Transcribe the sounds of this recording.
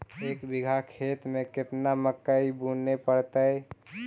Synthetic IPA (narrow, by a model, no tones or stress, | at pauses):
eːkbɪɡʱakʰeːt̪mẽkɪt̪naməkːəibunepəɽt̪əɛ